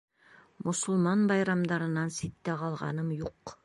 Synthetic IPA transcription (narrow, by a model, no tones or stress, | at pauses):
mŏsʊ̆lˠmɑnbɑjɾɑmd̪ɑɾɤ̆nɑnsit̪ːæqɑlˠʁɑ̰nɤmjuq